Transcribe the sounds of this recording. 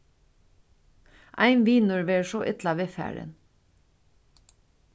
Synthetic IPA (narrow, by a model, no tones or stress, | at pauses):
ʔæ̰ɪnʋiːnʉɹʋeːʃoːʔɪt̪lɑʋeːfæ̰ːɹə̰n